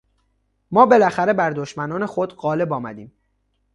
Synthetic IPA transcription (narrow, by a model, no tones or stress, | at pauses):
mɒːbe̞læxæɾe̞bæɾd̪oʃmænɒːne̞xod̪ɢɒːle̞bɒːmæ̰d̪iːm